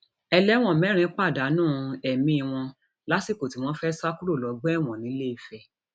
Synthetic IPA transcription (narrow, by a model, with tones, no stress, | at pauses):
ɛ˧lɛ˦w̃ɔ̃˦˨mɛ̃˨˦ɾ̃ĩ˨˦k͡pa˦˨da˨˦nũː˦˨˧ɛ˨mĩ˧i˧w̃ɔ̃˧ | la˦si˦˨ko˨ti˨˦w̃ɔ̃˧˦fɛ˦sa˦ku˦ɾo˦˨lɔ˨˦ɡ͡bɛ˦˨w̃ɔ̃˨nĩ˨˦le˦i˨fɛ˧